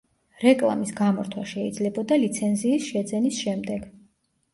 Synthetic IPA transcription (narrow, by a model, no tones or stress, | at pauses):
ɾɛkʼlˠa̰misɡamɔɾt̪ʰwaʃɛid̪zlɛbɔd̪alit̪sʰɛnziːsʃɛd̪zɛnisʃɛmd̪ɛɡ̥